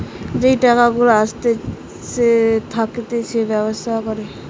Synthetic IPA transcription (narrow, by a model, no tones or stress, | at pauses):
d͡ʒejʈakaɡulaːst̪e | set̪ʰaket̪et͡ʃʰebjɔbɔst̪ʰakɔɾe